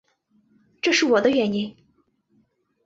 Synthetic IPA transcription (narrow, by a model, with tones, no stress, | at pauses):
ʈ͡ʂɤ˥˧ʂɻ̩˥˩wɔ˨˩d̪ə˦ɥɛ˨˩ni˧˥n